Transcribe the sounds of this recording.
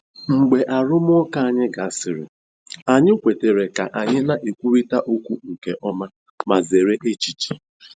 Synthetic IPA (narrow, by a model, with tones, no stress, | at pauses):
ŋ͡m̩˨ɡ͡be˨ʔa˨ɾʊ˦m˦ɔ˦ka˦a˦˨ɲɪ˦ɡa˨a˦sɪ˨ɾɪ̰˨ | a˨ɲɪ˦kʷe˨te˨ɾe˨ka˨ʔa˨ɲɪ˦na˦˨ʔe˨kʷu˦ɾi˦ta˦ʔo˦kʷu˦ŋ̩˨ke˨ʔɔ˦ma˦ | ma˨ze˨ɾe˦ʔe˦t͡ʃi˨t͡ʃi˨